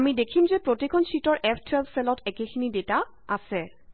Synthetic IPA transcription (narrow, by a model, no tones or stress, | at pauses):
amidekʰimzɛpɹotikʰɔnsitɔɹʔɛpʰtʰwɛlbsɛlɔtɛkexʰinideta | asɛ